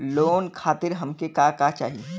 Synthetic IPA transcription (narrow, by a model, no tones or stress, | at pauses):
loːnkʰaːt̪ɪɾɦɐmkekakat͡ʃa̰ːɦie